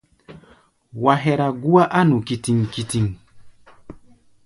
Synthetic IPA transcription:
wa˨ɦɛ˦ɾa˨ɡu˦a˦ʔa˦nu˨ki˨ti˨ŋki˨ti˨ŋ

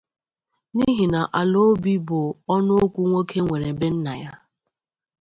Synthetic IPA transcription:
ni˦ɦi˨na˨ʔa˨lo˦bi˦bʊ˨ɔ˦nʊ˦o˦kʷu˦ŋʷo˦kʰe˦ŋʷe˨ɾe˨be˦n̩˦na˨ja˦

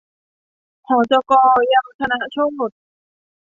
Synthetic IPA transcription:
hɔː˨˩t͡ɕɔ˧kɔː˧ja˧˥m˨˩tʰa˥˧na˧˩˨t͡ɕʰo˥mu˨˩t̪̚

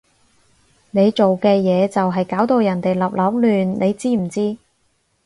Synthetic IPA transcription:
ne˨˧jt͡ʃo˨wkɛː˧jɛː˨˧t͡sɐ˨wɦɐ˨jkaː˨˥wt̪o˧wjɐ˨˩nt̪e˨jlɐ˨p̚lɐ˨˥w̚lyː˨nnʔe˨˧jt͡siː˥m̩˨˩t͡siː˥

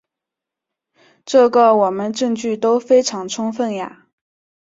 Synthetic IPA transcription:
ʈ͡ʂɤ˥˩ɡə˥˩wɔ˨˩mə˦nʈ͡ʂɤ˥˧ŋt͡ɕy˥˩t̪o˥ʊfe˥ɪʈ͡ʂʰɑ˧˥ŋʈ͡ʂʰʊ˥ŋfə˥˩nja̰˨˩

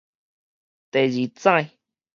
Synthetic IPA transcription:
t̪e˨d͡ʒi˨t͡sã˦˧j̃

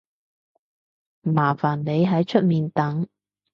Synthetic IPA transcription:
maː˨˩faː˨˩nle˨˧jɦɐ˨˥jt͡ʃʰɵ˥t̚miː˨nt̪ɐ˨˥ŋ

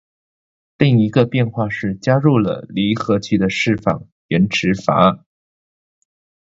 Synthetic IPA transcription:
li˥˩ŋi˧˥ɡə˧pjɛ˥˧nxwa˥˧ʂɻ̩˥˩t͡ɕja˥ɻu˥˩lə̰˩li˧˥xɤ˧˥t͡ɕʰy˥˩d̪ə˩ʂɻ̩˥˩fɑ̰˥˩ŋ | ɥɛ˧˥nʈ͡ʂʰɻ̩˧˥fa̰˧˥˩n

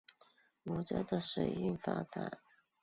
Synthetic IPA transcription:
wɔ˨˩t͡ɕɛ˧˥d̪ə˨ʂe˨˩ɪy˥˩nfa˧˥t̪a̰˨˩˦

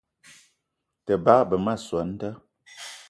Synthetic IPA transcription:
tə˨baː˦bə˨ma˦˨swə˨˦n̩˦tə˦

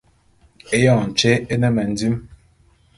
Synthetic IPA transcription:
e˦jɔ˦˨n̩˨t͡ʃe˦e˦nɛ˦mɛ˨n̩˨di˦m

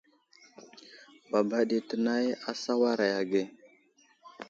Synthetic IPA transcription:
ba˨ba˦ɗi˨tə˨na˦ja˦sa˦wa˦ɾa˨ja˨ɡe˦˨

